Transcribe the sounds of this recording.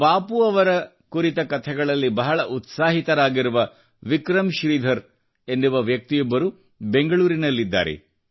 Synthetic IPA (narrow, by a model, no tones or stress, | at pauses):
paːpuɐʋɐɾɐ | kuɾit̪ɐkɐt̪ʰɛɡɐɭɐlːibɐɦɐɭɐʔut̪saːɦit̪ɐɾaːɡiɾuʋɐ | ʋikɾɐmʃɾiːd̪ʱɐɾ | e̞nd̪uʋɐʋjɐk̚t̪ijɔbːɐɾu | be̞ŋɡɐɭuːɾinɐlːid̪ːa̰ːɾḛ